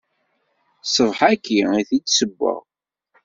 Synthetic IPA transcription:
sˤəvˤħækːiiθid̪səbːə̰ʁ

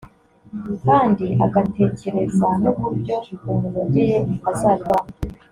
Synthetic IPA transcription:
kaːndiaɡate̞ːce̞ɾe̞zɡanuβuɾɟo̞ɡumuɾaɟije̞azaːɾβaːna

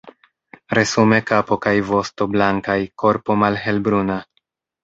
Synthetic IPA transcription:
ɾe̞sume̞kapo̞kajvo̞sto̞blaŋkajko̞ɾpo̞malɦe̞lbɾuna

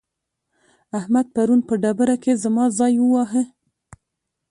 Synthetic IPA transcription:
ahmad̪̚paɾunpəɖabəɾakezamɑzɑjwəwɑɦə

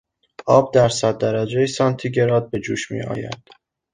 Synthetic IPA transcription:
ʔɒːb̚d̪æɾsæd̪̚ːæɾæd͡ʒejesɒnt̪ʰiɟe̞ɾɒːd̪̚be̞d͡ʒuːʃmḭːʔɒ̰ːjæ̰d̪̥

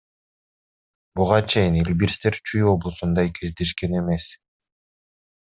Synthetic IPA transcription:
buʁɑt͡ʃʰe̞jinilʲbiɾst̪e̞ɾt͡ʃʰyjo̞blˠusund̪ɑjkʰe̞zd̪e̞ʃke̞ne̞me̞s

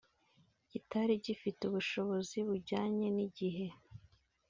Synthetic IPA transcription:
ɟitaɾiɟifituβuʃo̞βo̞ziβuɾɟaːɲe̞niɟiɦe̞

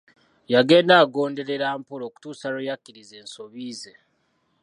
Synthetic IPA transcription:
jaɡe̞ːndaːɡo̞ːnde̞ɾe̞ɾaːmpuloːku̥tuːsaɾojakːiɾize̞ːnso̞βiːze̞

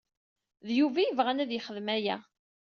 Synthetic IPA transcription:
ðjuvæjəvʁænæðjəχəðmæjæ

